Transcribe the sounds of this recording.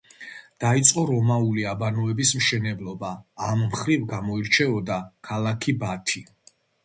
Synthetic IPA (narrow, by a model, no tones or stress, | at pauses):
d̪̥ait̪sʼqʼɔɾɔmauliabanɔɛbismʃɛnɛblˠɔbaːmːχɾivɡamɔiɾt͡ʃʰɛɔd̪akʰalˠakʰibat̪ʰi